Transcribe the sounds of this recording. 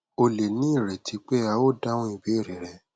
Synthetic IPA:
o˧le˨nĩ˦i˦˨ɾɛ˨tʰi˨˧k͡pe˦a˧wo˦˨da˦wɔ̃˦i˨be˨˦˨ɾe˨ɾɛ˧

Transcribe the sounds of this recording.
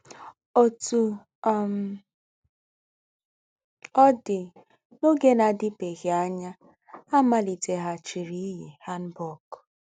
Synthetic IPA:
o˦tu˨˦ | m˦ | ɔ˦dɪ˨ | no˦ɡe˦na˨dɪ˦pe˨ɣi˨a˦ɲa˦ | a˦ma˦li˨te˨ɦa˦t͡ʃi˨ɾi˦ɦi˨ha˦n̩˦bɔ˦˨k

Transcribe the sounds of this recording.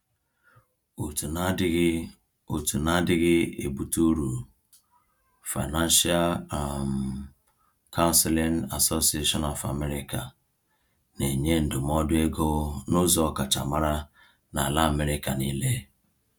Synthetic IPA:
u˨tu˨˦ɡ | o˨tu˨na˦dɪ˦ɣɪ˦e˨bu˨tu˦ɾu˨ | fa˨na˦n˦ʃi˦a˦lm | kʰa˦ʊ˦nse˦le˦na˨so˦si˨˦e˦ʃɔ˦nɔ˨fa˨me˦ɾi˦ka˨ | ne˨ɲe˦n̩˨dʊ˨m˦ɔ˦dʊ˦e˦ɡo˦nʊ˦zɔ˨ka˨t͡ʃa̰˨ma˦ɾa˦ | na˨a˨la˦a˨me˦ɾɪ˦ka˨niː˦le˦

